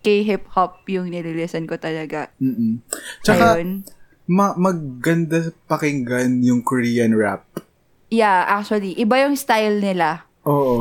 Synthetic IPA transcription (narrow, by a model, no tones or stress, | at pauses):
kɐjɦɪp̚hop̚jʊŋnɪlɪlɪsɐnkot̪ɐlɐɡam̩ːm̩t͡ʃɐjkaon | mɐmɐɡ̚ːɐnd̪apɐkɪŋɡanjʊŋkoɾiːjɐnɹap̚ | jaʔak̚t͡ʃʊɐliʔɪbajʊŋst̪ajlnɪla | ʔoːʔo